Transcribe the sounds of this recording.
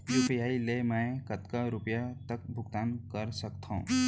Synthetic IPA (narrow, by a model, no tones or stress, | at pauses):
jupəjaːilemɛ̃jkət̪kaɾʊpjat̪ək̚bʱʊɡt̪aːnkəɾsəkt̪ʰõ̰